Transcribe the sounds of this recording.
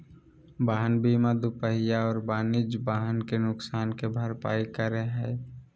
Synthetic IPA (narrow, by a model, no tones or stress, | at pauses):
baːɦənbʱimãd̪ʊpəɦɪjaɔːɾbaːnɪd͡ʒbaːɦənkenʊksaːnkebʱəɾpa̰ːikəɾeɦɛː